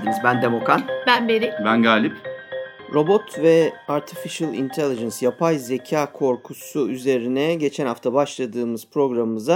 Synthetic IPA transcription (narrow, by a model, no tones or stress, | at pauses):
d̪ɯnɯzbænd̪emokanbænbenibænɡaːlʲip | ɾo̞bo̞t̪ʰvɛaɾt̪ʰifiʃɯlˠḭnt̪ʰelʲˠid͡ʒɛnsjapʰajze̞cʰaːkʰo̞ɾkʰusuyze̞ɾinɛɟe̞t͡ʃʰɛnhaft̪ʰabaʃlˠad̪ɯːmɯz̥pɾo̞ɡɾamɯmɯza